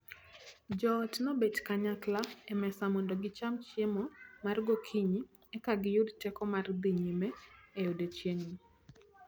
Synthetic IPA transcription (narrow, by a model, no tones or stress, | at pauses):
d͡ʒɔtnɔbet͡ʃkaɲaklaɛmɛsamondoɡɪt͡ʃamt͡ʃemɔmarɡokʰiɲi | ɛkaɡɪjʊdtɛkɔmard̪iɲimɛːjʊdet͡ʃjeŋni